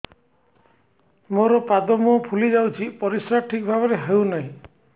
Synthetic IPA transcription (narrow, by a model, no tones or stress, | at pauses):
moɾɔpad̪ɔmɔpʰulid͡ʒawt͡ʃʰipɔɾisɾaʈʰikbʱabɔɾeɦewnaɦĩ